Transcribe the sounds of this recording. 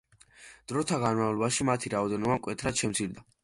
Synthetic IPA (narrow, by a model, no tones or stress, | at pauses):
d̪̥ɾɔt̪ʰaɡanmavlˠɔbaʃimat̪ʰiɾaɔd̪ɛnɔbamkʼwɛt̪ʰɾad̪̥ʃɛmt̪sʰild̪a